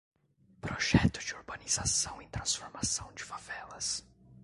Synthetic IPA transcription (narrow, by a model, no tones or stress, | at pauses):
pɾoʒɛt̪ʊ̥d͡ʒɪoɾbɐniz̥asɐ̃w̃ẽt̪ɾɐ̃sfoɾmasɐ̃w̃d͡ʒɪfavɛlɐs